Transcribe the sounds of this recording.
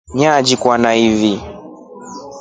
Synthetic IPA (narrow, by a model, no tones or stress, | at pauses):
ɲad͡ʒikwanaivi